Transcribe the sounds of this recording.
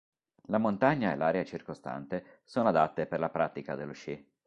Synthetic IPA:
lamont̪aɲːaḛlːaːɾeat͡ʃirkost̪a̰nt̪e | soːnoad̪at̪ːeperlapɾat̪ika̰d̪elːoʃi

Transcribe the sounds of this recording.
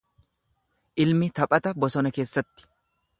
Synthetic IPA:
ʔɪlmɪt̪ɐpʼɐt̪ɐbɔsɔnɐke̞ːsːɐt̪ːɪ̥

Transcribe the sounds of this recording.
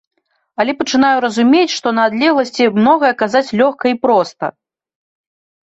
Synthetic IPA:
ɐlʲɛpɐt͡ʂɨn̪ajuɾɐzumʲet͡sʲʂt̪ɔnɐːd̪lʲɛɣlˠɐsʲt͡sʲimnɔɣɐjɐkazat͡sʲlʲɔxkɐipɾɔst̪ɐ̰

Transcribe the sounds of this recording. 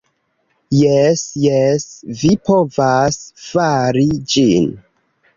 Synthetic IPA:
jesjesvipʰo̞vasfaɾid͡ʒin

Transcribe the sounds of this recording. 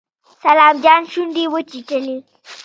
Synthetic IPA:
sɐlaːmd͡ʒanʃundiwət͡ʃiʈəli

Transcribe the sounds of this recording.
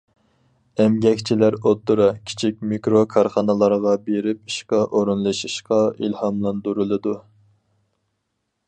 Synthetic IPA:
ɛmɡʲɛkʲt͡ʃʰilæɾot̪ːuɾɑkʲʰi̥t͡ʃʰik̚ʲmikɾokʰɑɾχɑnɨlˠɑɾʁɑbeɾɪp̚iʃqɑʔoɾunlˠɨʃiʃqɑilhɑmlˠɑnd̪uɾulˠɨd̪u

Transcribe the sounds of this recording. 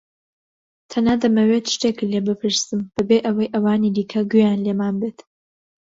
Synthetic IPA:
t̪ʰɐnaːd̪ɐmɐwet̪ʃt̪ekɨlebɨpʰɨɾsɨmb̥ɨbeʔɐwɐjʔɐwaːnid̪iːkʰɐɡujaːnleːmaːnbeːt̪

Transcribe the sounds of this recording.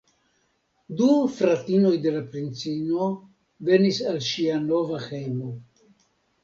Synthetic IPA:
dufɾatino̞jde̞lapɾint͡sino | ve̞nisalʃiano̞vaxejmo

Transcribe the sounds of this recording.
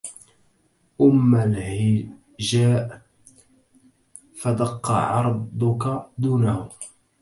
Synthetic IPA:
ʔʊmːalhɪ | ʒaːʔ | fad̪ɑqːɑ̰ʕɑɾˤdd̪ˤʊkad̪uːnahʊ

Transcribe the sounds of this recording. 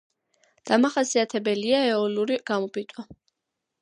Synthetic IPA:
d̪̥amaχasiat̪ʰɛbɛliaɛɔluɾiɡ̥amɔpʼit̪ʼwa

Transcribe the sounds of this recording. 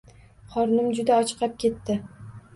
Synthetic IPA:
χɒɾnɪmd͡ʒʊd̪aɒt͡ʃʰqʰɑp̚kʲe̞t̪ːɪ

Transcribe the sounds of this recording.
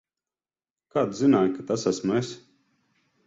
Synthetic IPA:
kaːd̪zinaːjkat̪asasmuɛs

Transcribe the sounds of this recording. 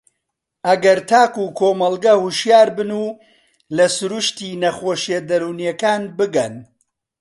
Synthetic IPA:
ʔɐɡɐɾt̪ʰaːkukʰoːmɐlˠɡɐhuʃjaːɾbɨnuː | lɐsʊɾuʃt̪iːnɐxoːʃjed̪ɐɾuːnjɛkaːnbɨɡɐn

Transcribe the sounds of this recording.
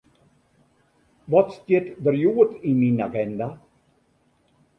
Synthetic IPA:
vɔt̪st̪et̪d̪əɾjuːət̪iminaɡɛnd̪a

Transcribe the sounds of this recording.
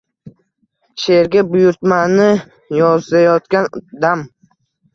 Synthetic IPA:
ʃe̞ɾɡʲabʊjʊɾt̪manɪ | jɒzajɒt̪kʲand̪am

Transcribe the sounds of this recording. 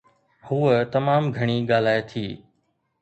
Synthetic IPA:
huːət̪ɐmaːmɡʱɐɽ̃iːɠaːl̤aːet̪ʰiː

